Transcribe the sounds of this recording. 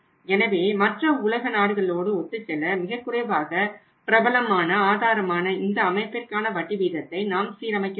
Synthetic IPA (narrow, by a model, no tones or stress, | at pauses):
ɛnɐʋeːmɐʈrɐʊlɐɣɐnaːɽɯɣɐɭoːɽɯɔt̪ːɯt͡ʃːɛlːɐmɪɣɐkːɯɾɐɪʋaːɣɐ | pɪɾɐbɐlɐmaːnɐaːðaːɾɐmaːnɐɪnd̪ɐːmɐɪpːɪrkaːnɐʋɐʈːiʋiːðɐt̪ːɐɪnaːmsiːɾɐmɐɪkː